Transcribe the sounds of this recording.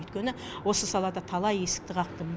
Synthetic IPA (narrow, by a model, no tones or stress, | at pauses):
jt̪kʲe̞nɪ | wo̞səsɑlˠɑd̪ɑt̪ʰɑlˠɑje̞sɪ̥k̚t̪ɪqʰɑqt̪əm